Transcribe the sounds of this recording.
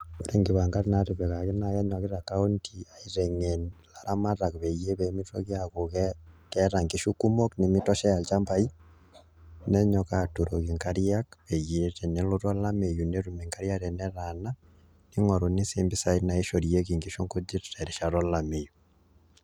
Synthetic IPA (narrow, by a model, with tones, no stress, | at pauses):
βo˦ɾe˦ŋɡi˨βa˨ŋɡa˦ɾnaɾe˨βɛ˨ɣa˨ɣe˦na˨jɛ˦ɲɔ˨ɣi˦ɾa˨ka˦o˦ntʰi˨a˨i˦ɾɛŋe˨nlaɾa˦ma˦ɾa˨kβɛ˨je˦βɛ˨mi˦tɔ̰˦ɣjako˨ɣɛ˦kɛɾa˨ŋɡi˨ʃu˦ku˦mo˦kne˨mi˦tɔ˦ʃɛ˦a˨lt͡ʃa˦mba˦i˦ | nɛ˦ɲɔ˨ka˨tu˨ɾo˨ɣi˨ŋka˦ɾia˦kβɛ˨je˨ɾɛ˨ne˦lo˦ɾɔ˦la˦me˨ju˨ne˦ɾu˨me˨ŋkaɾja˦ɾɛ˨nɛ˦ɾa˨na˦ | ni˦ŋɔ˨ɾo˨ni˦se˦mbi˦sa˦ina˨e˦ʃo˨ɾje˦ki˨ŋɡi˨ʃo˦ŋko˦d͡ʒi˦ɾɾɛ˨ɾe˨ʃa˨ɾɔ˦la˨me˨ju